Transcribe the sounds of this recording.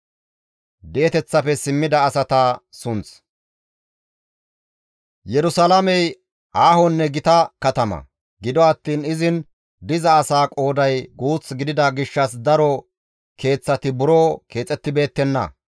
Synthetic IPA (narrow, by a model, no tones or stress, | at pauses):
d̪ɛɛt̪ɛt͡sːɐpɛsɪmːɪd̪ɐːsɐt̪ɐsʊnt͡s | jɛɾʊsɐlɐmɛj | ʔaːhɔnːɛɡɪt̪ɐkɐt̪ɐmɐ̰ | ɡɪd̪ɔɐt̪ːiːnɪzɪn | d̪ɪzɐːsaːkʼo̞ːd̪ɐjɡuːt͡sɡɪd̪ɪd̪ɐɡɪʃːɐs̬d̪ɐɾɔ | kʰe̞ːt͡sːɐt̪ɪbʊɾoːke̞ːt͡sʼːɛt̪ːɪbe̞ːt̪ːɛnːɐ̰